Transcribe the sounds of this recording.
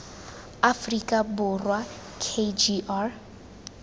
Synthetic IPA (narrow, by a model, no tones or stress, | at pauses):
afrikʼabʊrwa | kʰed͡ʒiʔar